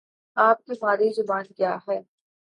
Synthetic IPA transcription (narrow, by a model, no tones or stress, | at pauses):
aːp̚kimaːɾizʊbãːnkjaːɦɛː